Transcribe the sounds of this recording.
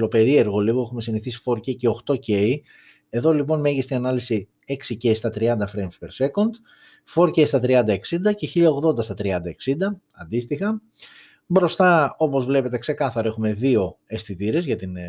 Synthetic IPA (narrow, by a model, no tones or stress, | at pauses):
lo̞pe̞ɾie̞ɾɣo̞liɣoe̞xume̞siniθisi̥fo̞ɾcece̞o̞xt̪o̞ce̞i | e̞ðo̞lipo̞nmeʝist̪inɐnɐlisi | e̞ksicest̪ɐt̪ɾiɐnd̪ɐfɾemfpe̞ɾse̞ko̞nd̪ | fo̞ɾcest̪ɐt̪ɾiɐnd̪ɐeksind̪ɐceçiʎɐoɣðo̞nd̪ɐst̪ɐt̪ɾiɐnd̪ɐeksind̪ɐ | ɐnd̪ist̪ixɐ | bɾo̞st̪ɐo̞po̞zvle̞pe̞t̪e̞kse̞kɐθɐɾoe̞xume̞ðio̞e̞st̪it̪iɾe̞zʝɐt̪in